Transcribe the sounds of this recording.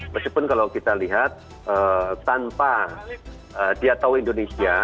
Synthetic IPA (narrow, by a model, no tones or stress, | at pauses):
maskipʊnkalawkit̪aliɦat̪̚ | ʔət̪ːanpa | ədiat̪awindonesia